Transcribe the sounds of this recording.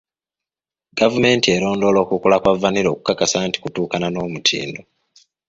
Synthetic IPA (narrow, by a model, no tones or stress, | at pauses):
ɡ̥avume̞ːntie̞lo̞ːndo̞ːlo̞ːkukulakwavːaniɾo̞ːku̥kakasaːnti̥kutuːkanano̞ːmutʰḭːndo